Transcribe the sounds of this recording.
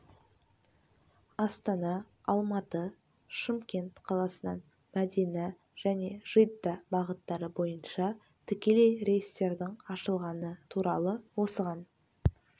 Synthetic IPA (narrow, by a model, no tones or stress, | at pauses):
ɑst̪ɑnɑ | ɑlˠmɑt̪ə | ʃəmkʲe̞nt̪qʰɑlˠɑsənɑ̰n | mæd̪enɪ | ʒ̥æne̞ʒ̥ijd̪ːɑbɑʁət̪ːɑɾəbo̞jənʃɑ | t̪ʰʏkʲe̞le̞jɾe̞jəst̪e̞ɾd̪ɪɴɑʃəlˠʁɑnət̪ʰuɾɑlˠəwo̞səʁɑn